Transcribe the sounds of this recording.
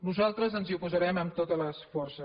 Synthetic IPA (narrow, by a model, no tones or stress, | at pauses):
nuzalˠt̪ɾəzənziupuzəɾɛməmt̪ot̪ələsfɔrsə